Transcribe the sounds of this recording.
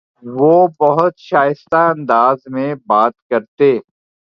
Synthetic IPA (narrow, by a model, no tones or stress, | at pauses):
ʋoːbɐɦʊt̪ʃaːjɪst̪aɐ̃nd̪aːzmẽbaːt̪kɐɾt̪eː